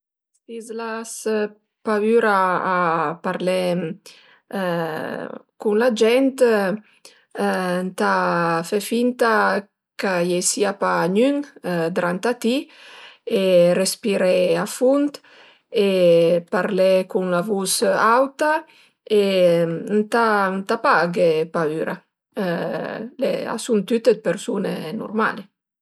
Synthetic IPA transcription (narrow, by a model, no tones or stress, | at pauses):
sizlas | paβyɾaː | paɾlɛ | kunlad͡ʒɛnt̪ | nt̪afɛfint̪a | kajesiapaɲyŋd̪ɾant̪at̪i | erespiɾɛafunt̪ | epaɾlekunlavusawt̪a | e | nt̪ant̪apaɡepayɾa̰ | lḛa̰sunt̪yt̪ed̪̚peɾsunḛnṵɾma̰le